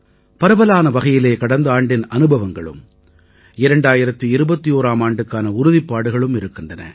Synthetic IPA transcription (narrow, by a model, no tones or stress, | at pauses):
pɐɾɐbɐlaːnɐʋɐɣɐjɪleːkɐɽɐnd̪ɐaːɳɖɪnɐnɯbɐʋɐŋɡɐɭɯ̰m | ɪɾɐɳɖaːjɪɾɐt̪ːɯɪɾɯbɐt̪ːijoːɾaːmaːɳɖɯkːaːnɐʊɾʊðɪpːaːɽɯɣɐɭɯmɪɾɯkːɪndrɐnɐ̰